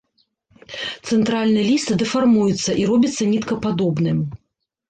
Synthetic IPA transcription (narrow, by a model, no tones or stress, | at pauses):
t̪sɛnt̪ɾalʲnɨjɛlʲist̪d̪ɛfarmujut̪sːɐʔiɾɔbʲit̪sːɐnʲit̪kɐpad̪ɔbnɨm